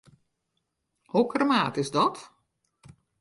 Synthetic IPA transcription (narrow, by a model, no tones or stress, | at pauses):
hukrəmaːtɪzdɔt